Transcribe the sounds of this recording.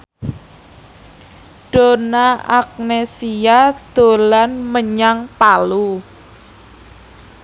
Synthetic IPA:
ɖ̥o̤naʔak̚nesiad̪̥o̤lanməɲaŋpalu

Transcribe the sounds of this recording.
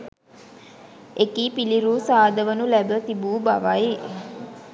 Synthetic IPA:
ekiːpiliɾuːsaːd̪əʋənulæbət̪ibuːbaʋaj

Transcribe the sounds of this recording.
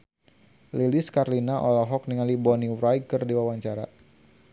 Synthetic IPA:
liliskarlinaʔɔlɔɦɔk̚niŋalibɔniɾajkərdiwawaɲt͡ʃaɾa

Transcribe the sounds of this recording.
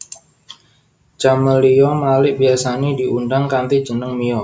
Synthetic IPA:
t͡ʃaməlijɔmlalɪʔbiasanediʔundaŋkant̪id͡ʒənəŋmijɔ

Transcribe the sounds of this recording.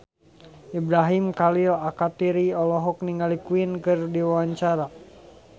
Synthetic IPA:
ʔibɾaɦimkalilakat̪iɾiɔlɔɦɔk̚niŋɡalikuinkɨrdiwawaɲt͡ʃaɾa

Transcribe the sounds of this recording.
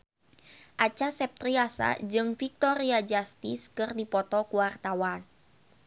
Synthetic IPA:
ʔat͡ʃasɛp̚t̪ɾiasa̰d͡ʒɨŋfik̚t̪ɔɾiad͡ʒast̪iskɨrdipɔt̪ɔkuwart̪awan

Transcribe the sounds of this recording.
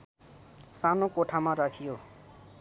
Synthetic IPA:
sanokoʈʰamaɾakʰijo

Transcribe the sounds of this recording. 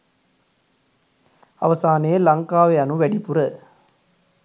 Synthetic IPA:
ɐ̰ʋɐsaːneːlɐŋkaːʋɐɐnɯ̃ʋɛɽipːɯɾɐ

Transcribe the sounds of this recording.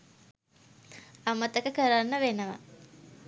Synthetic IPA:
amət̪əkəkəɾanːəʋenəʋa̰

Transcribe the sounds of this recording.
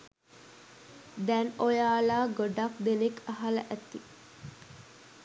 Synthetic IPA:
d̪ɛnojaːlaːɡoɖakd̪enekɐɦalə̰ʔæt̪i

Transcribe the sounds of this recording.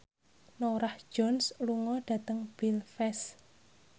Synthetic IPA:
noɾahd̥ʒ̥ɔnsluŋɔd̥ä̤t̪əŋb̥ilfɛs

